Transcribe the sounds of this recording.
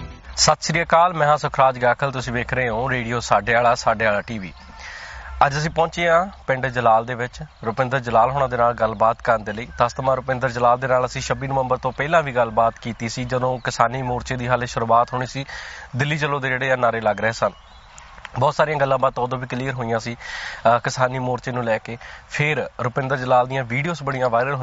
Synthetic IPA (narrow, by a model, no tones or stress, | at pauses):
sət̪ʃɾijaːkaːlmɛ̃ːãːsʊkʰɾaːd͡ʒɡaːkʰəlt̪ʊsĩːʋeːkʰɾəeɦõːɾeːɖijoːsaːɖeːaːlaːsaːɖeːaːlaːʈiːʋḭː | əd͡ʒəsĩːpɔ̃ːt͡ʃeːãːpɪɳɖd͡ʒəlaːld̪eːʋɪt͡ʃɾʊpɪ̃nd̪əɾd͡ʒəlaːlɦoːɳãːd̪eːnaːlɡəlbaːt̪kəɾənd̪eːləiːt̪ast̪əmãːɾʊpɪ̃nd̪əɾd͡ʒəlaːld̪eːnaːləsĩːʃəbiːnəʋəmbəɾt̪õːpɛːlãːʋiːɡəlbaːt̪kiːt̪iːsiːd͡ʒəd̪õːkɪsaːniːmoːɾt͡ʃeːd̪iːɦəleʃʊɾuːaːt̪ɦoːɳ̃iːsiːd̪ɪlːiːt͡ʃəlːõːd̪eːd͡ʒeːɽeːaːnaːɾeːləɡɾəɦeːsən | bɔːt̪saːɾijãːɡəlːãːbaːt̪ːõːəd̪õːʋiːkliːəɾɦoːijãːsiːkɪsaːniːmoːɾt͡ʃeːnũːlɛːkeːpʰɪɾɾʊpɪ̃nd̪əɾd͡ʒəlaːld̪ijãːʋiːɖijoːsbəɽ̃ijãːʋaːɪɾəlɦo